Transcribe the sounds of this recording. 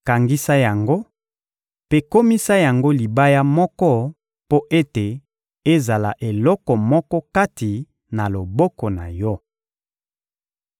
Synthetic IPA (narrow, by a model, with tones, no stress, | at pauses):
ka˨ŋɡi˦sa˦ja˨ŋɡo˦ | pe˦ko˦mi˦sa˦ja˨ŋɡo˦li˨ba˦ja˦mɔ˦kɔ˦ | po˦ʔe˦te˨ | e˦za˨la̰˨ʔe˨lɔ˦kɔ˨mɔ˦kɔ˦ka˦ti˨ | na˨lo˨bɔ˦kɔ˨na̰˨jɔ˦